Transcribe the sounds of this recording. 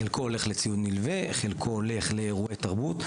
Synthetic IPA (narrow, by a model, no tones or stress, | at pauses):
elkoole̞χlet͡siudnilveχelkʰoole̞χleʁuet̪aʁbut